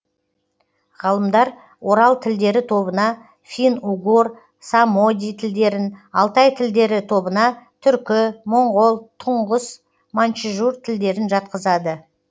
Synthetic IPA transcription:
ʁɑlˠəmd̪ɑɾ | wo̞ɾɑlˠt̪ʰɪld̪e̞ɾɪt̪ʰo̞bənɑ | fʲinuɡor | samo̞d̪ʲijt̪ʰɪld̪e̞ɾɪnɑlˠt̪ɑjt̪ʰɪld̪e̞ɾɪt̪ʰo̞bənɑt̪ʰʏɾkʲɪmoɴʁolˠt̪ʰʊɴʁəs | mant͡ʃiʒuɾt̪ʰɪld̪e̞ɾɪnʒɑt̪̚qəzɑd̪ə

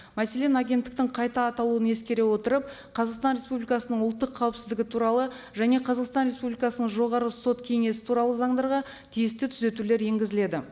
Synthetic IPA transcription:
mæse̞le̞nɑɡʲe̞nt̪ːɪkt̪ɪɴqʰɑjt̪ɑːt̪ɑlˠuəne̞skʲe̞ɾe̞wo̞t̪əɾəp̚ | qʰɑzɑqst̪ɑnɾʲe̞spublikɑsənəɴʊlˠt̪ːəqʰːɑwəpsɪzd̪ɪɡʲɪt̪ʰuɾɑlˠə | ʒæne̞qʰɑzɑqst̪ɑnɾe̞spublijkɑsənəɴʒo̞ʁɑɾəso̞t̪kʲʰe̞ŋe̞sɪ̥t̪ʰuɾɑlˠəzɑɴd̪ɑɾʁɑ | t̪ʰijɪst̪ɪt̪ʰʏze̞t̪ule̞ɾje̞ŋɡʲɪzɪle̞d̪ɪ

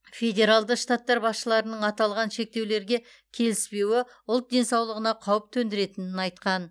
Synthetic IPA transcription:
fʲe̞dʲe̞ɾalˠd̪əqʃt̪at̪ːɑɾbɑsʃəlˠɑɾənəɴɑt̪ɑlˠʁɑnʃe̞k̚t̪e̞wle̞ɾɡʲe̞ | kʲʰe̞lɪspe̞wɪ | ʊlˠt̪̚d̪e̞nsɑwlˠəʁənɑqʰɑwəp̚t̪ʰɵnd̪ɪɾe̞t̪ɪnɪnɑjt̪qɑn

